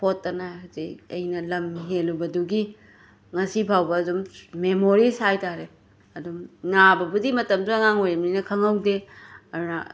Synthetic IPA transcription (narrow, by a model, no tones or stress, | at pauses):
pʰotːɐnauziɐ̰jnɐlɐmiɦelubɐduɡi | ŋɐsibʰʱawbɐːdummemoɾisajtaɾe | ɐdumnabɐbudimɐtɐmduɐŋaŋojɾɐmninɐkʰɐŋɐwdeɐɾna̰